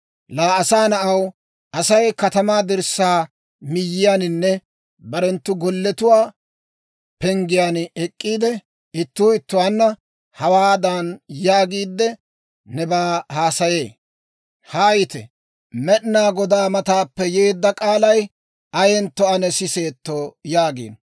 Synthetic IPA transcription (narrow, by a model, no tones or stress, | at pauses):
laːɐsaːnɐʔɐw | ʔɐsɐjkɐt̪ɐmaːd̪ɪɾsaː | mɪjːɪjaːnɪnːɛ | bɐɾɛnt̪ːʊɡɔlːɛt̪ʊwaː | pɛŋɡɪjaːnɛkʼːiːd̪ɛ | ɪt̪ːuːɪt̪ːʊwaːnːɐ | hɐwaːd̪anjaːɡiːd̪ːɛ | nɛbaːhaːsɐje̞ː | hɐːjɪt̪ɛ̰ | mɛɗnaːɡɔd̪aːmɐt̪aːpːɛjeːd̪ːɐkʼaːlɐj | ɐjɛnt̪ːɔɐnɛsɪse̞ːt̪ːojaːɡḛːn